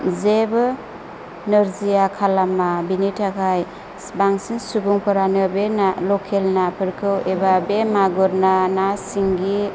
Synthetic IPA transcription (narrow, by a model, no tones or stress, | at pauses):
zeb | nɯɾzijakʰalamabinitʰakʰaj | baŋsiŋsubuŋpʰɯɾanɯbenalɔkʰelnapʰɯɾkʰɯwebabemaɡɔɾnanasiŋɡi